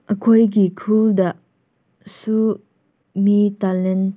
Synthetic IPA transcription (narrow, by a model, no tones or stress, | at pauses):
ʔəkʰɔjk̬ikʰuldaʔ | su | mitalɛnt